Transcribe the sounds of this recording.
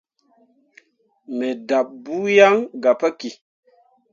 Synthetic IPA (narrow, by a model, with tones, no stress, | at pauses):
me˨da˨p̚bu˦ja˦ŋɡa˨pa˦ki˨